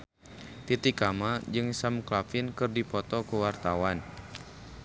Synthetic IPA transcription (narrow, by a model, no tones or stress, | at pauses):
t̪it̪ikamad͡ʒɨŋsamklafɪnkɨrdipɔt̪ɔkuwart̪awan